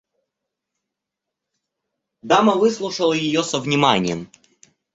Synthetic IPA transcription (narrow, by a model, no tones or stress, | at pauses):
d̪amɐvɨslˠʊʂəlˠəjɪjosəvnʲɪmanʲɪjəm